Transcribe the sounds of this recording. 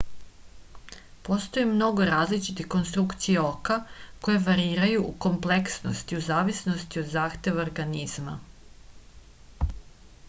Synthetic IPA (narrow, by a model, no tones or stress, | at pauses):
po̞st̪o̞jimno̞ɡo̞ɾaːzlit͡ʃit̪ixko̞nst̪ɾukt̪sijeo̞kako̞jeʋaɾiːɾajuʔuko̞mple̞ksno̰st̪iuzaːʋisno̞st̪io̞d̪zaːxt̪e̞ʋaoɾɡaniz̥ma̰